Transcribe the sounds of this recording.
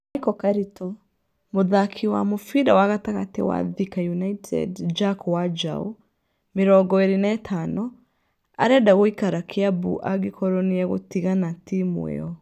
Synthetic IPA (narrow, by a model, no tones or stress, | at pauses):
ikɔkaɾitɔ | moðakʰiwa̰mofiɾawaɣataɣatewa̰ðikajunaitʰɛ̰dd͡ʒakwad͡ʒa̰ṵ | meɾɔɡɔeɾenɛtʰanɔ | a̰ɾɛdaɣoikaɾakʰeabṵʔaɡekʰɔɾɔneɛɣo̰tiɣanatimw̰ḛɔ